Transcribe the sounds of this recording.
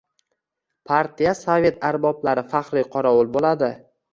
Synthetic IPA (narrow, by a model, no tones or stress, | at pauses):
pʰaɾt̪ʰijasove̞t̪ʰaɾbɒblaɾɪfaχɾɪjqʰɒɾawʊlˠbolad̪ɪ